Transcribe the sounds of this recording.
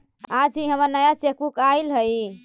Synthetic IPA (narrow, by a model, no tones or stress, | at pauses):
ad͡ʒiɦəməɾnəjat͡ʃekukailɦəj